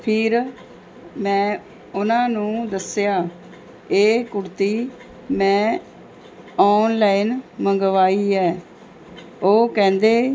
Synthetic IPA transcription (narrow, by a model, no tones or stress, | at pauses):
pʰɪɾ | mɛ̃ː | ʊnãːnũːd̪əsjaː | eːkʊɽt̪iː | mɛ̃ː | ɔːnlaːinməŋɡʋaːiːɛː | oːkɛ̃ːnd̪eː